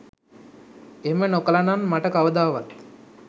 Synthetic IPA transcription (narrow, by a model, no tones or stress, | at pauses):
emənokəlananmaʈəkaʋəd̪aːʋat̪